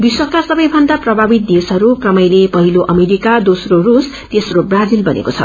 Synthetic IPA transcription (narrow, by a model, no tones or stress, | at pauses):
b̪iswʌktasʌbʌj̃bʱʌnd̪aprʌbʱabit̪̚d̪esʌɾukrʌmʌjlepʌɦiloʔʌmeɾikad̪osrorus | t̪esrobrad͡zilbʌnḛkot͡sʰʌ̰